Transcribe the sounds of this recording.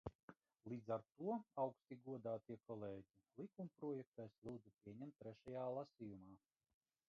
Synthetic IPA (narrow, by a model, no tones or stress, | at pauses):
lˠiːd̪zaɾt̪uɔawkst̪ʲiɡuɔd̪aːt̪iɛkɔlˠeːɟʲilˠikumpɾɔɔjɛk̚t̪eslˠuːd̪zupʲiɛɲɛmt̪ːɾɛʃajaːlˠasʲiːjumaː